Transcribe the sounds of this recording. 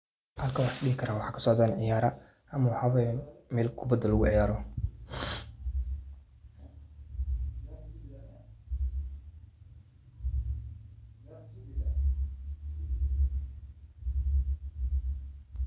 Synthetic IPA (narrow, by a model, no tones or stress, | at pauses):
ʔɐlkʰɐwɑħsɗɪɡɪkʰɐɾaːwɑħɑːkʰɐ̥sɔʕd̪aːnʕɪjaːɾɐ | ʔɐmɐwħaβɐmɛːlkʰʊbɐd̪ɐlːʊɣʊʕɪjaːɾɔ